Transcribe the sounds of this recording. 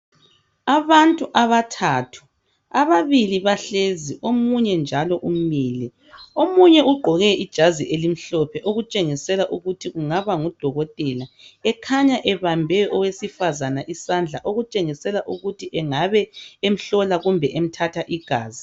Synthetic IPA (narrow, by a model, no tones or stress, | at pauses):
aβantʼuʔaβatʰatʰu̥ | aβaβiliβaɬeziʔomuɲɛnd͡ʒʱalɔʔum̩miːlɛ | omuɲɛuɡ͡ǃʱɔɣɛid̥ʒ̥ʱaziʔelim̩ɬɔpʰɛʔoɣut͡ʃʼeŋisɛlaʔuɣutʰiɣuŋaβaŋud̥ʱɔɣɔtʼɛlaɛkʰaɲaʔɛβambʱɛʔɔwesifazanaʔisand͡ɮʱa̰ʔoɣut͡ʃʼeŋisɛlaʔuɣutʰiʔɛŋaβɛem̩ɬɔlaɣumbʱɛʔem̩tʰatʰaʔiɡ̥ʱa̰ːzi